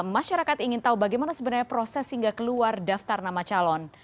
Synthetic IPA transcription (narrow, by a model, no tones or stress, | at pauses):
maʃaɾakat̪iŋɪnt̪aubaɡajmanasəbənaɲapɾosɛshiŋɡakəluardaft̪arnamat͡ʃalɔn